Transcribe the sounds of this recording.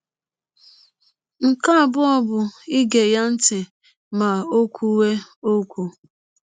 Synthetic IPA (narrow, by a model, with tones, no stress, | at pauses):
ŋ̩˨ka˦a˨bʊ˦ɔ˦bʊ˨i˦ɡe˨ja˦n̩˦tɪ˨ | ma˨o˦kʷu˦we˦o˦kʷu˨